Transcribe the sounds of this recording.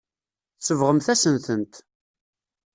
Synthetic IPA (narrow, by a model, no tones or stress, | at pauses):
θsəvʁəmθæsənθənt̪